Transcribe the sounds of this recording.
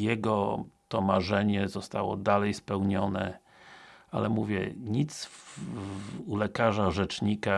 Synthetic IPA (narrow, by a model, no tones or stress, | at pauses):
jɛɡɔt̪ɔmaʐɛɲɛzɔst̪awɔ̰d̪alɛjspɛwɲɔnɛ | a̰lɛmuvʲjɛ̰ɲit̪s | ulɛkaʐaʐɛt͡ʂɲika